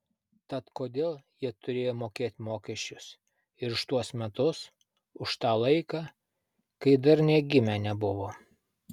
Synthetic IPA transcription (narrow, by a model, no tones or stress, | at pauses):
t̪ɐt̪koːd̪ʲeːlˠjiɛt̪ʊɾʲeːjoːmoːkʲeːt̪ʲmoːkʲɛʃʲt͡ʃʲʊs | ɪɾʊʃt̪uɔsmʲɛt̪ʊs | ʊʃt̪ɑːlˠɐɪkɑː | kɐɪd̪ɐɾnʲeɛɡʲɪmʲæːnʲɛbʊʋoː